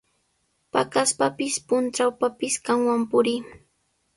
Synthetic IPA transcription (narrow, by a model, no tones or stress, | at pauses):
pa̰kaspapɪspʊnt͡ʃawpapɪskaŋwampʊɾɪ